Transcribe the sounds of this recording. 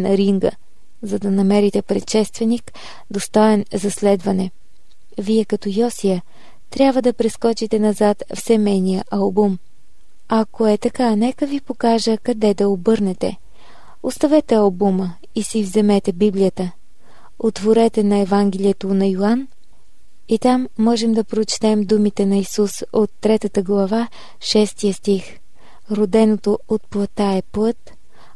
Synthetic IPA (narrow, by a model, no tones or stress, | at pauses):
nɐɾiŋɡə̰ | zɐd̪ɐnɐmɛɾit̪ɛpɾɛt̪ʃɛst̪vɛnik | d̪ost̪ɔɛnzɐslɛd̪vɐnɛ | viɛkɐt̪ɔjɔsijə | t̪ɾʲjabvəd̪ɐpɾɛskɔt͡ʃit̪ɛnɐzat̪fsɛmɛjnijəʔɐlˠbum | ɐkoɛt̪ɐkanɛkəvipokaʒəkɐd̪ɛd̪ɐobɤɾnɛt̪ɛ̰ | ost̪ɐvɛt̪ɛɐlˠbumə | isivzɛmɛt̪ɛbiblʲijət̪ə | ot̪voɾɛt̪ɛnɐɛvaŋɡɛlʲiɛt̪onɐjoan | it̪amːɔʒɛmd̪ɐpɾot͡ʃt̪ɛmd̪umit̪ɛnɐisusot̪ːɾɛt̪ət̪əɡlˠɐva | ʃɛst̪ijəst̪ix | ɾod̪ɛnot̪oot̪̚plˠɐt̪aɛplɤt̪